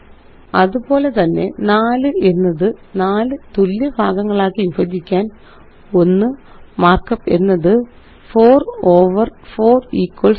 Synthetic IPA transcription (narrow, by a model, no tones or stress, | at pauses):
ɐðubo̞ːle̞t̪ɐnːe̞naːlɨʔenːɐðɨnaːlɨt̪ulːjɐbʱaːɡɐŋːɐɭaːkːinfɐd̪ikʲːaːn | o̞nːɨ | maːrkːɐpːe̞nːɐðɨ | fo̞ːroːʋɐrfo̞ːriːkːwɐɭs